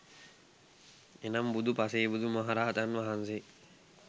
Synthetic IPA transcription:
enambud̪upaseːbud̪umaɦaɾaːat̪anʋaɦanse

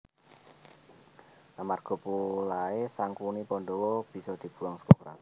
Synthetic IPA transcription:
ʔamarɡ̥ɔ̤pulaesaŋkunipɔnɖowɔb̥i̤sɔd̪̥i̤b̥ṳwaŋskɔkɾa̰t

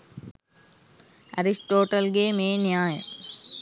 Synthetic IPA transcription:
ɐɾisʈoːʈɐlɡeːmeːnjaːjə

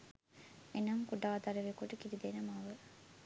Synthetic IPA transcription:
enɐŋkuɖaːd̪ɐɾeʋekuʈəkiɾid̪enɐmaʋə

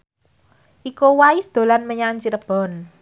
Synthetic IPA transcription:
ʔikowaisd̪̥o̤lanməɲaŋt͡ʃiɾəb̥ɔ̤n

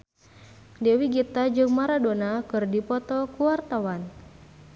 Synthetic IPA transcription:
dɛwiɡit̪ad͡ʒɨŋmaɾadonakɨrdipɔt̪ɔkuwart̪awan

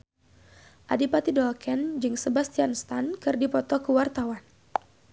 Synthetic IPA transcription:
ʔa̰dipat̪idɔlkɛnd͡ʒɨŋsəbast̪ianst̪ankɨrdipɔt̪ɔkəwart̪awan

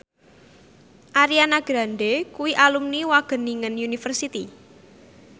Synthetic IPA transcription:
ʔaɾianaɡ̥ɾa̤nɖekuwiʔalumniwaɡ̥ə̤niŋənjunifərsit̪i

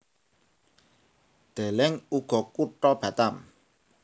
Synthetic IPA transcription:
d̪̥e̤lɛŋuɡ̥ɔ̤kuʈɔb̥ä̤t̪am

